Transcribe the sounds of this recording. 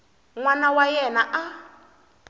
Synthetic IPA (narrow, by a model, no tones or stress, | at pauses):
ŋwanawajɛnaʔa